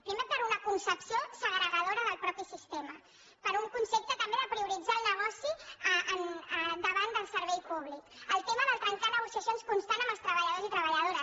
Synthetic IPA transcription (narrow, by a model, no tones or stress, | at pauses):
pɾimepəɾunəkunsəpsiosəɣɾəɣəð̞oɾəðəlˠpɾɔpisist̪emə | pəɾuŋkunsep̚t̪ət̪əmbeðəpɾiuɾid͡zaːlˠnəɣ̞ɔsiʔənd̪əβand̪əlˠsəɾβɛjpuβlikəlˠt̪eməðəlˠt̪ɾəŋkanəɣ̞usiəsjonskunst̪anəməlst̪ɾəβəʎəð̞ozit̪ɾəβəʎəð̞oɾə